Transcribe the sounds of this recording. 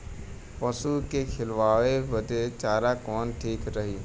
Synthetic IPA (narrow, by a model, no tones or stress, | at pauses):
pɐsukekʰɪlʋaːʋebəd̪et͡ʃaːɾakɔːnʈʰiːkɾəɦiː